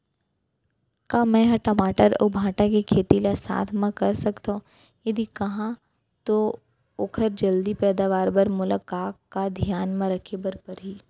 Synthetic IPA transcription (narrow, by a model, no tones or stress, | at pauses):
kaːmɛ̃ɦãʈɐmaːʈəɾɔ̰bʱãːʈakekʰeːt̪ilasa̰ːt̪ʰmãkɐɾsɐkt̪aõ | jɐd̪ikɐɦã | t̪o | oːkʰəɾd͡ʒɐld̪ipɛːd̪aːʋaːɾbɐɾmʊləkaːkːad̪ʱjaːnmãɾɐkʰebɐɾpɐɾɦiː